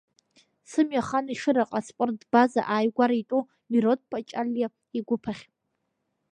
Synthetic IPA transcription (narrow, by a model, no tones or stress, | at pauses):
sɨmjaχaniʂɨɾaqʼaspʷʼʊrdbaza̰ʔajɡʷaɾaitʼo | miɾot̚ʰʼpʰʼat͡ʃʼalja | iɡʷʊpʰaχʲ